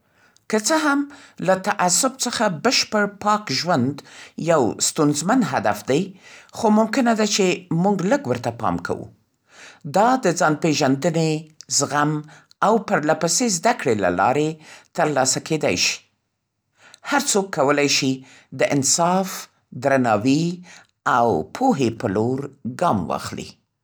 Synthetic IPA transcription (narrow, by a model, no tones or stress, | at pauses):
kət͡səɦamlat̪aʔasʊbt͡səxabəʃpəɽpɑkʒwand̪jawst̪unzmanɦad̪a̰fd̪ajxomʊmkɪnad̪at͡ʃemuɡləɡwəɾt̪apɑ̰mkʰa̰wṵ | d̪ɑd̪əd͡zɑnpeʒand̪ənezɣam | awpəɾlapasezd̪akɽela̰lɑ̰ɾet̪əɾlɑsakʰed̪a̰jʃi̥ | haɾt͡sokːawəlajʃi | d̪əʔɪnsɑf | d̪ɾanɑwi | awpʰoɦepəloɾɡɑmwɑ̰xlḭ